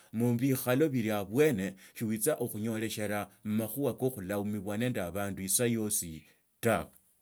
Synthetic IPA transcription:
muβixalo̞βiɾjaβwe̞ne̞ʃiwit͡saʔoxuɲo̞le̞ʃe̞ɾamumaxuwako̞xulaumiβwane̞ndaβaːnduisajo̞si | tawe

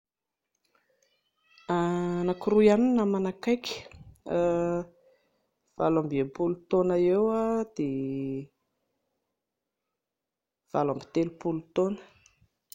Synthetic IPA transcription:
anakirujaninamanakajkʲə̥ | v̥a̰lambiepulut̪onaewad̪̥e | v̥a̰lambi̥t̪elupulut̪onə̥

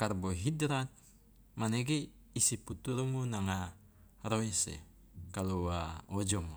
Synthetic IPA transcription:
karboɦidɾat̪̚ | maneɡi | isiput̪uɾmunaŋa | roisḛ | kaluaod͡ʒɔmu

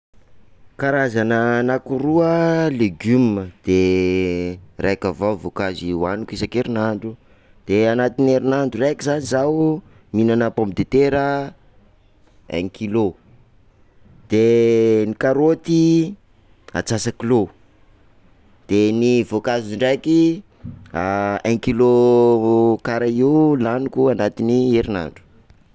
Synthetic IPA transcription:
kaɾazanənakuɾuəleɡyməd̪̥e | rʔajkavawvokaziwanikisakeɾinaɳɖ͡ʐu | d̪̥eanat̪ineɾinaɳɖ͡ʐurekizanizawu | minanəpompid̪et̪eɾə | ɛ̰ŋkilo | d̪̥enikaɾot̪i | a̰t͡sasakilo | d̪̥enivokaziɳɖ͡ʐajki | aɛ̃ŋkilo | kaɾaiulanukuanat̪inieɾina̰ɳɖ͡ʐu̥

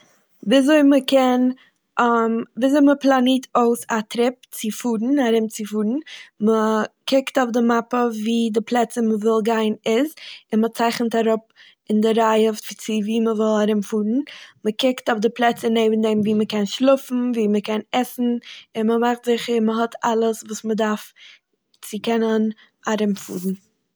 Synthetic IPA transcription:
viːzoɪməkʰɛn | mviːzoɪməplˠaniːtʰoʊsatɾɪp̚t͡sɪfuːɾn̩aɾɪmt͡sɪfuːɾn̩məkʰɪktɔʊfdɪmapəviːdɪplˠɛt͡səməvɪlˠɡaɪnɪzɪnmət͡saɪχnətaɾʊp̚ | ɪndɪɾaɪəft͡sɪviːməvɔlˠaɾɪmfuːɾn̩məkɪktʊfdɪplˠɛt͡səneɪbn̩dɛmviːməkɛnʃlˠʊfn̩viːməkʰɛnɛsn̩ɪnməmaχtz̥ɪχəɪməɦɔtʰalˠəsvuːsmədaɾf | t͡sɪkɛnən | aɾɪmfṵːɾn̩

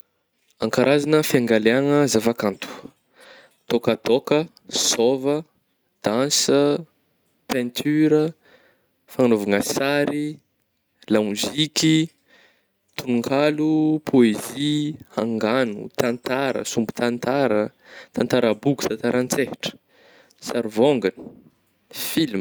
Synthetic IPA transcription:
aŋkaɾʔazanəfjaŋɡaleaŋəzavakant̪u̥ | t̪okət̪okə | sovə | d̪̥ansə | pɛ̃nt̪ʰyɾə | fanovaŋasaɾi | lamuziki | t̪unuŋkʰalupʰoeziaŋɡanṵt̪ant̪aɾə̰sumbu̥t̪ant̪aɾət̪ant̪aɾəbuku̥t̪ant̪aɾʔant͡sehiʈ͡ʂə̥ | saɾivoŋɡanə̥ | film

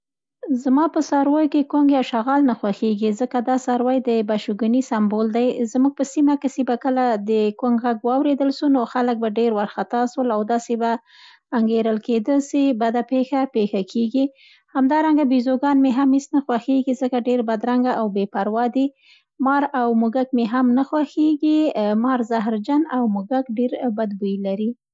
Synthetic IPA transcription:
zmɑpəsɑɾwɑjkekoŋɡjɑwʃaɣɑlnaxwaxeɡizəkad̪ɑsɑɾwajd̪əbaʃuɡunisambold̪ajzmuɡ̚pəsimakesebakəlad̪əkoŋɡɣaɡwɑwɾed̪əlʃunoxalək̚baɖeɾwaɾxat̪ɑswəlawd̪ɑsebaː | ŋɡeɾəlked̪əsibad̪apexapexakʰeɡi | hamd̪ɑɾaŋɡabizoɡɑnmeɦamisnaxwaxeɡizəkaɖeɾbad̪ɾaŋɡaʔawbepaɾwɑd̪i | mɑɾawmuɡakmeɦamnaxwaxeɡimɑɾzaɦɾd͡ʒanawmuɡakɖeɾbad̪̚bujlaɾi

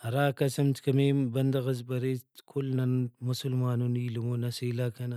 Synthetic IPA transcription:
ɾaːkɐsɐmt̪kɐmebɐnd̪ɐɣɐzbɐɾekʰulnɐnmusulmaːnunilumonɐselakɐna

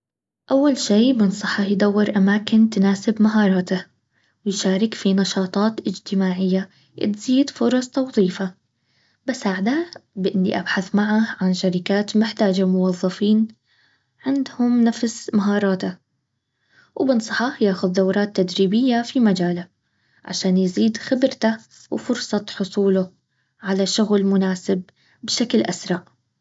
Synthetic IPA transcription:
ʔawːalʃeːbɪnsˤɑħɑjd̪ˤawːɪɾʔamaːkɪnt̪ɪnaːsɪbmaɦɑːɾˤɑːt̪a | wɪjʃaːɾɪkfinɑʃɑːt̪ˤɑːt̪ʔɪd͡ʒt̪ɪmaːʕɪjːa | ʔɪ̰t̪z̥iːd̪fʊɾˤɑsˤt̪ɑwðˤiːfa | bɪsaːʕd̪abɪʔɪnːḭʔabħaθmaʕaʕanʃaɾɪkaːt̪mɪħt̪aːd͡ʒamʊwɑðˤːɑfiːn | ʕɪnd̪hʊmnafsmaɦɑːɾˤɑːt̪a | wbɪnsˤɑ̥ħɑjaːxʊðd̪awɾˤɑːt̪ːad̪ɾiːbɪjːafimad͡ʒaːla | ʕa̰ʃaːnjziːd̪xɪbɾt̪a | wfʊɾsˤɑt̪ħʊsˤuːlʊ | ʕalaʃʊɣlmʊnaːsɪbː | ʃaklʔasɾˤɑʕ

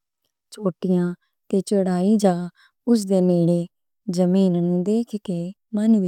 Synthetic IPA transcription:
t͡ʃoːʈɪjãː | t̪eːt͡ʃəɽaːiːd͡ʒaː | ʊs̬d̪eːneːɽeː | zəmiːnnũːd̪eːkʰkeː | mənʋɪ

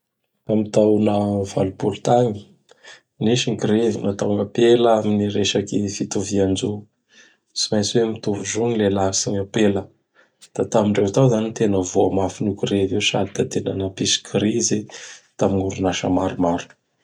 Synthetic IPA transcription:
kamit̪awnəva̰lupulut̪aŋi̥ | niʃiŋkiɾevinat̪awŋɡəpeləaminiɾeʃakifit̪uviand͡ʒu | simajt͡swemit̪uvuʒuɲilelasiɲapelə | d̪̥at̪amiɳɖ͡ʐewt̪awzanit̪enəvoamafinukiɾeviwʃa̰d̪it̪at̪enanəpisi̥kʰɾizet̪amiŋuɾunaʃə̰maɾumaɾu̥

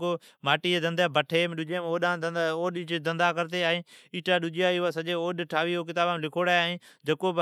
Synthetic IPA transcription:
ko | maːʈiːed̪ə̃nd̪abəʈʰeːmɗʊd͡ʒeːmoːɗãːoːɗit͡ʃd̪ɐ̃nd̪aːkəɾt̪eaːɦeiːʈaːɗʊd͡ʒiaːiasɐʄeːoːɗʈʰaːʋiːokɪt̪aːbamlɪkʰoːɽaːaːɦẽː | d͡ʒɐkob

